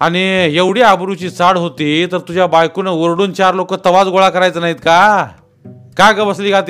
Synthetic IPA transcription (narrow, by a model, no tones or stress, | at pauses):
aɽ̃ijeʋɽ̤iabɾut͡ɕiːt͡saɽɦot̪iːt̪əɾt̪ud͡ʑjabajkunəʋəɾɽuːnt͡ɕaɾlokət̪əʋad͡zɡoɭakəɾajt͡sənaɦiːt̪ka | kakəbəsliːɡʱat̪i